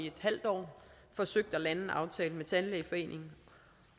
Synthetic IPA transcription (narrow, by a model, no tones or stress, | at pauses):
ie̝d̥hæl̰d̥ɒ̰ː | fɒ̽søɡ̥̚d̥ælæn̩ʔɑ̈ʊt͡sʰɛːln̩met͡sʰænlefɒ̽e̝̰ːnʔe̝ŋ̩